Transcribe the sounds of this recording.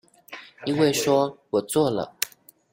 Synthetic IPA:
i˥nwe˥˩ɪʂwɔ˥wɔ˨˩t͡swɔ˥˩lə̰˨˩

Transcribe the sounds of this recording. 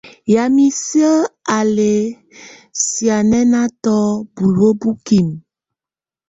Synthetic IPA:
ja˨mi˨si˦ə˦a˨le˨ | si˨a˨nɛ˦na˦tɔ˦bu˨ɾo˦bu˦ki˨m

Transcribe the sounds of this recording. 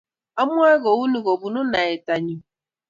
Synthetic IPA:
a˦mʷ˦a˦ɣo˨u˦nu˨ɡo˨bu˨nʊ˦na˨e˨ta˨ɲu˨

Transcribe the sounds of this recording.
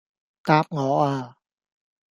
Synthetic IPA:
t̪aː˧p̚ŋɔː˨˥ʔaː˧˩

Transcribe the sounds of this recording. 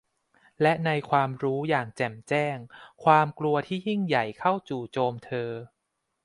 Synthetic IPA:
lɛ˦˥ʔna˧jkʰwaː˧mɾuː˦˥jaː˨˩ŋt͡ɕɛ˨˩mt͡ɕɛː˥˩ŋkʰwaː˧mklu˧ɐt̪ʰiː˥˩ji˥˩ŋja˨˩jkʰa˥˩wt͡ɕuː˨˩t͡ɕoː˧mt̪ʰɤː˧

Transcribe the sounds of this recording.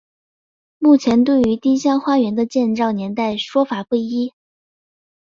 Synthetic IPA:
mu˥˩t͡ɕʰjɛ˧˥nt̪̬we˥˩ɪy˧˥t̪i˥ɕjɑ˥ŋxwa˥ɥɛ˧˥nd̪ə˧t͡ɕjɛ˥˧nʈ͡ʂɑ˥˩ʊnjɛ˧˥nt̪a˥˩ɪʂwɔ˥fa˨˩kwe˥˩ɪi˥

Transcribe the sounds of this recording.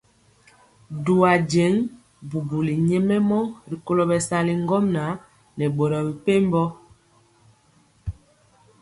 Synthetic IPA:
du˨a˨d͡ʒe˨˦ŋ | bu˨bu˨li˨ɲɛ˦mɛ˦mɔ˦ɾi˨ko˦lo˨bɛ˨sa˨li˨ŋ˦ɡɔ˦mna˨˦ | nɛ˨ɓo˨ɾɔ˨bi˨pe˦m˦bɔ˦

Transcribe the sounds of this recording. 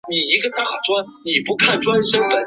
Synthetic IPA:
ni˨˩i˧˥ɡə˧t̪a˥˩ʈ͡ʂwa˥nni˨˩pu˧˥kʰa˥˩nʈ͡ʂwa˥nʂɤ˥ŋd̪ə˧˩

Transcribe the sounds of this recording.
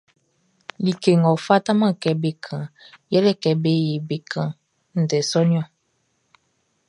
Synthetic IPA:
li˨ke˨ŋɔ˨fa˦ta˦mã˦kɛ˨be˨kʰã˨jɛ˦lɛ˦˨kɛ˨be˦je˨be˨kʰã˨ | n̩˨dɛ˨sɔ˦nĩ˦ɔ̃˦˨

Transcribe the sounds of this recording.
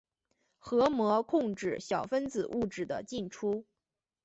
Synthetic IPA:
xɤ˧˥mwɔ˧˥kʰʊ˥˧ŋʈ͡ʂɻ̩˥˩ɕjɑ˨˩ʊfə˥nt͡sɹ̩˨˩ʔu˥˩ʈ͡ʂɻ̩˥˩d̪ə̰˦t͡ɕi˥˩nʈ͡ʂʰu˥

